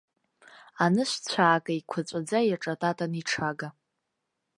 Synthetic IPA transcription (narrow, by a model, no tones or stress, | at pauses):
anɨʃʷt͡ɕʷʰaːkʼaikʷʰat͡sʷʼad͡zajaʈ͡ʂʼatʼatʼaniʈ͡ʂʰaɡa